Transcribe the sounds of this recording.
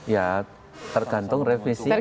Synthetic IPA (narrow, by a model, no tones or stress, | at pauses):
ja | t̪ərɡ̥ant̪ʊŋrefisi